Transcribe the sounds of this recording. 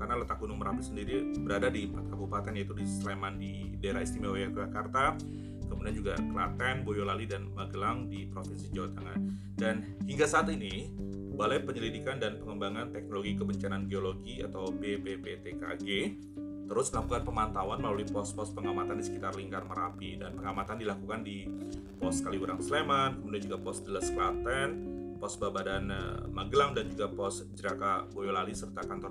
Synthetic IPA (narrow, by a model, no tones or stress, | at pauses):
karnalət̪ak̚ɡunʊŋməɾapɪsəndiɾibəɾadadimpat̪̚kabupat̪ɛnjait̪udislemandi | daeɾaist̪imewejakd͡ʒakart̪a | kəmudiand͡ʒuɡa̰kəlat̪ɛnbojolalidanmaɡəlaŋdipɾofinsid͡ʒawat̪aŋa̰n | dan | hiŋɡasaːt̪ini | balajpəɲəlidikandanpəŋəmbaŋant̪ɛk̚noloɡikəbəɲt͡ʃananɡeoloɡia̰t̪awpepepet̪eka̰ɡe | t̪əɾʊsəlakukanpəmant̪awanməlaluipɔspɔspəŋamat̪andisə̥kit̪arliŋkarməɾapidanpəŋamat̪andilakukandi | pɔskaliuɾaŋslemankəmudiand͡ʒuɡapɔsdələsklat̪ɛnpɔsbabadanmaɡlaŋdand͡ʒuɡapɔsd͡ʒəɾakabojolalisərt̪akant̪ɔr